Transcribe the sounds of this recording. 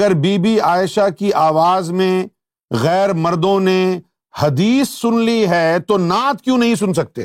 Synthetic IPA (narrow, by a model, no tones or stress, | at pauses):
əɾbiːbiaːɪʃakiʔaːʋaːzmẽ | ɣɛːɾmɐɾd̪õne | hɐd̪iːsːʊnliɦɛt̪onaːt̪̚kjũːnɐɦĩsʊns̬ɐk̚t̪ḛː